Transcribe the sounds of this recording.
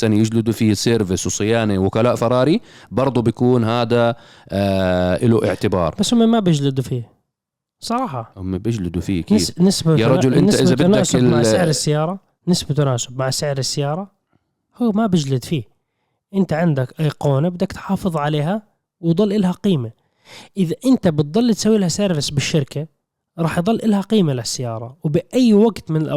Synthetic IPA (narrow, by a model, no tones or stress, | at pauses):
sanijɪd͡ʒlɪd̪ufiːseːɾvɪswsˤɨjaːniwʊkalaːʔfɑɾˤɑːɾibɑɾˤd̪ˤubjakuːnɦaːd̪a | ʔɪluʔɪʕt̪ɪbɑ̰ːɾˤbasːhʊmːemabɪd͡ʒlɪd̪ufiː | sˤɑɾˤɑːħɑhʊmːebɪd͡ʒlɪd̪ufiːaknɪnɪsbajaɾˤɑd͡ʒʊlʔɪnɪt̪ʔɪzab̪ɪnaaːsɪasɪʕɾɪsːajɑːɾˤɑ | nɪsbat̪anaːsɪbmaʕsɪʕɾɪsːajɑːɾˤɑ | huːmabɪd͡ʒlɪd̪fiː | ʔɪnt̪aʕɪnd̪akʔajːqoːnbɪd̪akt̪ħɑːfɨðˤʕaleːɦa | wd̪ˤɨɑlːʔɪlhaqiːma | ʔɪðaʔɪnt̪abɪt̪̚d̪ˤɑlːt̪sawːilhasaːɾbɪsbɪʃːɪɾka | ɾˤɑːħjd̪ˤɑlːʔɪlhaqiːmalasːajɑːɾˤɑwbɪʔajːwaɡt̪mɪnɪlʔ